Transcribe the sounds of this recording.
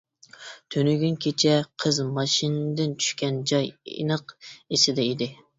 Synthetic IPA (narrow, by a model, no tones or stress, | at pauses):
t̪ʰønyɡʲynkʲʰet͡ʃʰɛqʰəzmɑʃind̪ɪnt͡ʃʰy̥ʃkʲɛnd͡ʒɑjḛnəqesɪd̪ɛid̪ɪ